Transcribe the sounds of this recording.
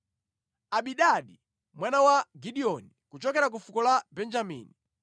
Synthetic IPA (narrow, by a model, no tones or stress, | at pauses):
aɓiɗaɗi | mwanawaɡiɗiɔnikut͡ʃɔkɛɾak̬ufukɔlabɛnd͡ʒamḭːni